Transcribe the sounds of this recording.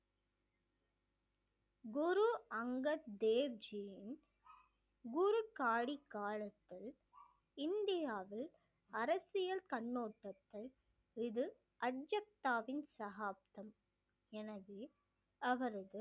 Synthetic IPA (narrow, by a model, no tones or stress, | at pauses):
ɡʊɾuɐŋɡɐt̪d̪eːɾd͡ʒijɪn | ɡʊɾukaːɽikːaːɭɐt̪ːɪl | ɪnd̪ɪjaːʋɪl | ɐɾɐsɪjɐlkɐɳːoːʈːɐt̪ːɪl | ɪðɯ | ʔɐɖd͡ʒɐk̚t̪aːʋɪnsɐɦaːp̚t̪ɐm | ɛnɐðeː | ɐʋɐɾɐðɯ